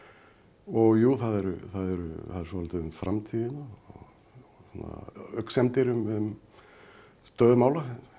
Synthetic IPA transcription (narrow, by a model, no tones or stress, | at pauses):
ɔɣjuːθaðɛɾʏθaðɛɾʏ̰θaðɛɾsɔvalt̪ɪʏmfɾʔamt̪ʰiːðɪnaɔ̰ɣ | sɔnːa̰œksɛmt̪ɪɾʏmʏm | st̪œːðʏmaːwla